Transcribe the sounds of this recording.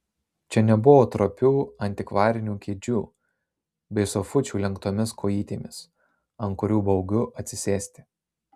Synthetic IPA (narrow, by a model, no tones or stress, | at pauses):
t͡ʃʲɛnʲɛbʊʋoːt̪ɾopʲuːɐnʲt̪ʲɪkʋɑːɾʲɪnʲuːkʲeːd͡ʒʲuː | bʲɛɪsɔfʊt͡ʃʲuːlʲɛŋkt̪oːmʲɪskʰoːjiːt̪ʲeːmʲɪs | ɐnkʊɾʲuːbɒʊɡʲʊʔɐt̪ʲsʲɪsʲeːsʲt̪ʲɪ